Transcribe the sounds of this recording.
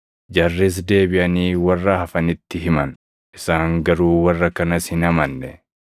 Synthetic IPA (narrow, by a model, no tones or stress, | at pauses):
d͡ʒɐrːɪs̬d̪e̞ːbɪʔɐniːwɐrːɐhɐfɐnɪt̪ːɪɦɪmɐn | ʔɪsaːŋɡɐɾuːwɐrːɐkɐnɐshɪnɐmɐnːɛ